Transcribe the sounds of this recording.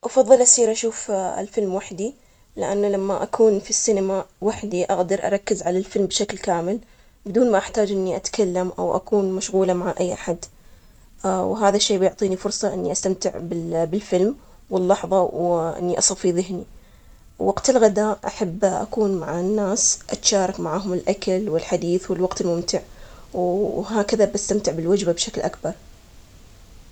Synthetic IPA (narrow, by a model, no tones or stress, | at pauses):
ʔɑfɑðˤːɨlʔasiːɾʔaʃuːfɪ̰lfɪlmwaħd̪i | lɪʔanːalamːaʔakʰuːnfisːinamawaħd̪iʔaɣd̪ɑɾˤʔɑ̰ɾˤɑkːɪzʕalalfɪlmbʃaklkaːmɪl | bɪd̪uːnmaʔaħt̪aːd͡ʒʔɪnːiʔat̪kʰalːamʔa̰wʔa̰kuːnmaʃɣuːlamaʕaʔajːʔaħad̪ | wɦaːðaʃːeːbɪjʊʕt̪ˤiːnifʊɾˤsˤɑʔɪnːiʔast̪amt̪ɪʕbɪbɪlfɪlm | wɪlːɑħðˤɑwʔɪ̰nːiʔɑsˤɑfiðɪɦni | wwaɡt̪ɪlɣad̪aːʔʔaħabːʔa̰kuːnmaʕanːaːsʔat̪ʃaːɾˤɑkmaʕaːɦʊmɪlʔakalwɪlħad̪iːθwɪlwɑɡt̪ɪlmʊmt̪ɪʕwɦaːkaðabast̪amt̪ɪʕbɪlwad͡ʒbabʃaklʔakbɑɾˤ